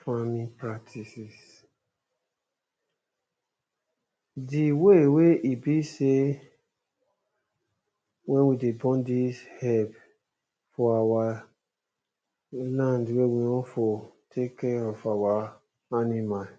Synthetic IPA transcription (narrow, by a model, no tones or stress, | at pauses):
famĩpɾaktʰisis | diweweibiʃe | wɛ̃nwidebɔ̃ndishɛb | fɔawa | lãndwewiɔ̃fotʰekɛɔfawa | animal